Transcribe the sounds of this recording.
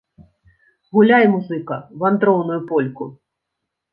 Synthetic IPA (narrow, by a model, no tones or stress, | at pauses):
ɣulʲajmuzɨkɐvant̪ɾɔwnujupɔlʲku